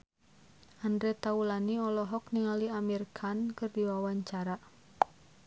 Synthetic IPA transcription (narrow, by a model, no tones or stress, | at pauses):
ʔandɾɛt̪aulaniɔlɔɦɔk̚niŋaliamirkʰankɨrdiwawaɲt͡ʃaɾa